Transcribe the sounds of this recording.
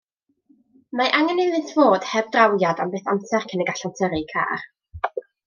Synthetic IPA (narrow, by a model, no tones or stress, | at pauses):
maʔaŋənelɨθv̥oːd̥hɛvdrawjadambeːθamsɛrkʰənɛjɡaɬantʰəɾɨkʰa̰ːr